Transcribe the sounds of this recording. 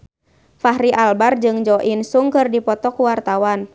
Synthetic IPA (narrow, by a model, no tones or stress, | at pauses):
faɦɾiʔalbard͡ʒɨŋd͡ʒɔʔinsuŋkɨrdipɔt̪ɔkuwart̪awan